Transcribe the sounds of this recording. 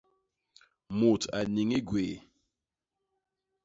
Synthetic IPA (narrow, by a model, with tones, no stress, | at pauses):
mu˨tʰa̰˨ni˨ŋi˦ɡwe˨